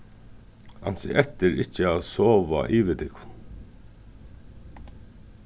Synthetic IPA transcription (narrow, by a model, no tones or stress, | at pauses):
a̰n̥sɪ̰ʔɛt̪ɪɾɪt͡ʃəaðsɔːʋa̰ʔiːʋɪt̪ɪkʊn